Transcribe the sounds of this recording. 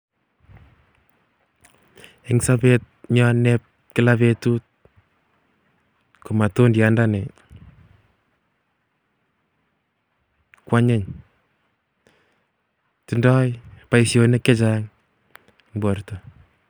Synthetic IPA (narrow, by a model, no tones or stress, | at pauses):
ɪŋsapet̚ɲɔnɛp̚ | kɪlaβetut̚ | kumatondjandane | kwaɲeɲ | tindɔjpaisjonekːɛt͡ʃaŋ | ŋbortɔ